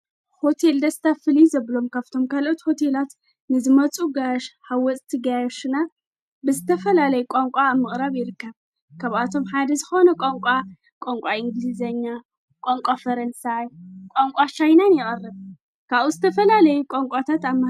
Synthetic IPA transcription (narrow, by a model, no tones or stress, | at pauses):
ho̞t̪ʰe̞ld̪ɐst̪ʰafɨlizɐβlo̞mkʰaβt̪ʰo̞mkʰalʔot̪ho̞t̪ʰe̞lat̪ | nɨzɨmɐt͡sʼuɡaʃhawɔt͡sʼt̪ʰiɡajoʃɨna | bɨzɨt̪ʰɐfɐlalɐjukʷʼaŋkʷʼaːβmɨχʼɾaβjɪɾɨkːɐβ | kʰaβat̪ʰo̞mħad̪ɐzɨxo̞nɐkʷʼoŋkʷʼa | kʼoŋkʷʼaɪŋɡlizɐɲːa | kʷʼoŋkʷʼafɐɾɐnsajkʼaŋkʷʼat͡ʃajnanjɪχʼɐrːɨβ | kʰaβuzɨt̪ʰɐfɐlalɐjukʼoŋkʷʼat̪ʰat̪aβm